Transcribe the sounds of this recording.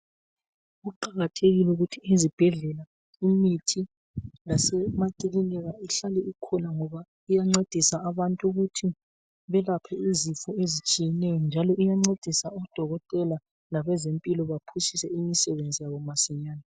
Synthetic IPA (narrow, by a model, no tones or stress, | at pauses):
uǃaɣatʰeɣilɛuɣutʰiezib̥ʱɛɮɛla | imitʰi | lasɛmatʼililɛɣaiɬalɛukʰɔnaŋɔβa | ijaŋ͡ǀed̥ʱisaaβantʼuɣutʰi | βɛlapʰɛizifuezit͡ʃʼijɛnɛjɔnd͡ʒʱalɔʔijaŋ͡ǀed̥ʱisaɔd̥ʱɔɣɔtʼɛla | laβɛzempʼilɔβapʰusisɛimisɛβend͡zʱijaβɔmasɛɲaːna